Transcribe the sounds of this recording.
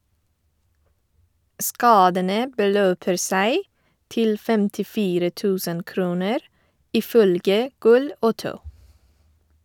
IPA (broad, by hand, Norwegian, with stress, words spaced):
ˈskɑːdənə bəˈløːpəɾ ˈsæɪ ˈtɪl fɛmtɪˈfiːɾə ˈtʉːsən ˈkɾuːnəɾ ˈiː ˈfœlɡə ˈɡʊl ə ˈoːtəʊ